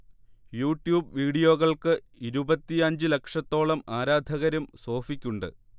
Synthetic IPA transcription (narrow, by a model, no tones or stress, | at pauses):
juːʈjuːbʋiːɽijo̞ːɣɐɭkɨ | iɾubɐt̪ːiɐɲd͡ʑɨle̞kʂɐt̪ːo̞ːɭɐmaːɾaːd̪ʱɐɣɐɾɐmso̞ːfikʲːuɳɖɨ̰